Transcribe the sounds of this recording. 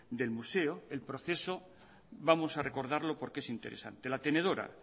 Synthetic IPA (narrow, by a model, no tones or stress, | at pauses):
d̪e̞lmuseoelpɾo̞θe̞so | βamosare̞ko̞ɾð̞aɾlo̞po̞ɾkeesint̪eɾesa̰nt̪e̞lat̪e̞ne̞ð̞o̞ɾa̰